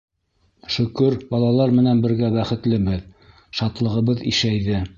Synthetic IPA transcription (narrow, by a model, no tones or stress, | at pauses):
ʃɵ̆kɵɾbɑlˠɑlˠɑɾmɘ̆nænbɘ̆ɾɡæbæχɘ̆t̪lɘbɘð | ʃɑt̪lˠɤ̆ʁɤ̆βɤðḭʃæjðɘ